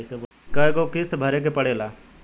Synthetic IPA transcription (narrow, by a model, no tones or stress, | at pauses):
seʋ | kəekokɪst̪bʱəɾek̬epəɽeːlaː